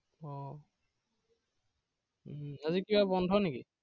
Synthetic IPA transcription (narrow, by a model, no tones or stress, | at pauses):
ɔ | azikibabɔndʱɔneki